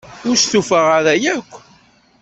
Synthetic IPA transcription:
ʊɾsθufəʁaɾæjækʷː

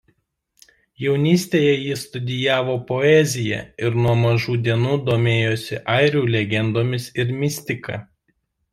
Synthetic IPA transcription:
jɛʊnʲiːsʲt̪ʲeːjɛjɪst̪ʊd̪ʲɪjæːʋoːpoɛzʲɪjɛ̰ɪɾnuɔmɐʒuːd̪ʲiɛnuːd̪oːmʲeːjoːsʲɪʔɐɪɾʲuːlʲɛɡʲɛnd̪oːmʲɪsɪɾmʲɪsʲt̪ʲɪkɐ̰

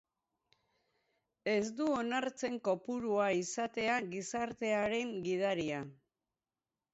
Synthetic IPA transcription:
e̞zd̪uo̞naɾt͡se̞ŋko̞puɾuaisat̪e̞aɣisaɾt̪e̞aɾe̞ŋɡið̞aɾia

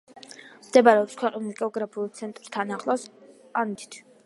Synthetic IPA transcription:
md̪ɛbaɾɛɔpskʰwɛqʼnilkʼɔɡɾapʰiulˠt̪sʰɛnt̪ʼɾst̪ʰanaχlˠɔs | anmit̪ʰi̥t̪ʰ

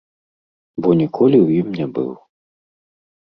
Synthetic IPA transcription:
bɔnʲikʰɔlʲiwjimnʲɛbɨ̰w

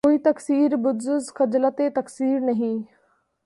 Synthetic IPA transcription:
koːit̪ɐksiːɾbʊd̪zʊzkɐd͡ʒlət̪et̪ɐksiːɾnɐɦĩ

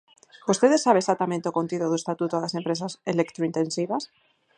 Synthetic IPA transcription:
bust̪e̞ðesaβesat̪amẽnt̪eokont̪iðoðuest̪at̪ut̪oaðase̞mpɾe̞s̬aselekt̪ɾoint̪ẽ̞nsiβas

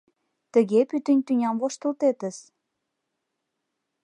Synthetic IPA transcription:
t̪ə̆ɣepyt̪ə̆nʲt̪ynʲɑmvoʃt̪ɤə̆lt̪et̪ə̆s

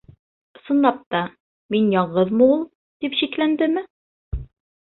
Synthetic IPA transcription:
sŏnlˠɑp̚t̪ɑ | minjɑɴʁɤðmɤulˠ | d̪ipɕiklænd̪ɘmɘ

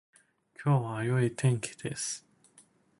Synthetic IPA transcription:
kʲʰo̞ːβaːjo̞it̪ʰẽ̞ŋkʲʰi̥d̪̥esɨ̥

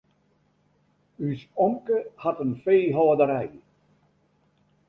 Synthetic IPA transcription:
ysɔŋkəhɑtənfeːɦɔːdəɾɛj

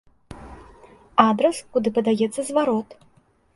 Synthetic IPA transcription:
ad̪ɾɐskud̪ɨpɐd̪ajɛt̪sːɐzvaɾɔt̪

